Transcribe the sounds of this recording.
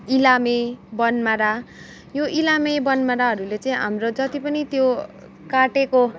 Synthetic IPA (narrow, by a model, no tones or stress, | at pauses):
ilamebʌnmaɾa | joʔilamebʌnmaɾaɦʌɾulet͡sʌ̃ĩɦa̰mrod͡zʌt̪ipʌnit̪jo | kaʈeko